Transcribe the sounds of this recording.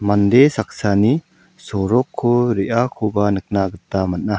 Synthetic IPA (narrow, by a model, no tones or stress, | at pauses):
mand̪esak̚sani | sɔɾɔkʰːoɾiʔakʰobanɯk̚naɡɯt̪ːamat̚na